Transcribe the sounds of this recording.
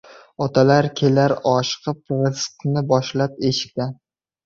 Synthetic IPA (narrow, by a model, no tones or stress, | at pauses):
ɒt̪ʰalaɾkʲʰelaɾɒʃqʰɨp̚ʁɨsqnɪbɒʃlap̚eʃɪ̥k̚ʲt̪an